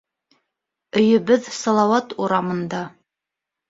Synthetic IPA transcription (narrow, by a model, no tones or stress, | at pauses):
ɵ̆jɵ̆bɘðsɑlˠɑwɑt̪uɾɑmɤ̆nd̪ɑ